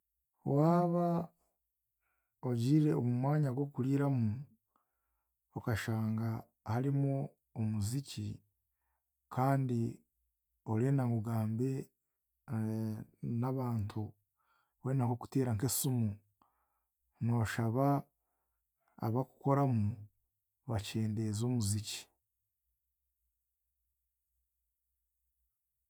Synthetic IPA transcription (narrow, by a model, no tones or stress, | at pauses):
wʔaːβa | oɟiːɾe̞omumwaːɲaɡwo̞kuliːɾamu | okaʃaːŋɡa | haɾimoː | muzici | kʰaːndi | o̞ɾeːnaŋɡuɡaːmbe̞ | naβaːntʰu | we̞ːnakoku̥teːɾaŋkesumu | no̞ːʃaβa | a̰βaku̥ko̞ɾamu | βace̞ːnde̞zomuzici̥